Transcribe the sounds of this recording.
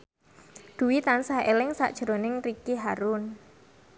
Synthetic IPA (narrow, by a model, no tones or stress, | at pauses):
d̪̥ṳwit̪ansaʔelɪŋsa̰ʔd̥ʒ̥əɾonɪŋrikiɦaɾun